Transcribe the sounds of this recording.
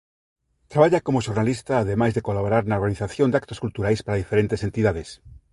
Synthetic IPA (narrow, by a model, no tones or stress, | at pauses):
t̪ɾaβaʎakomoʃoɾnalist̪aːð̞emajzðekolaβoɾaɾnaoɾɣaniθaθjond̪akt̪oskult̪uɾajspaɾaðifeɾent̪esent̪iðaðes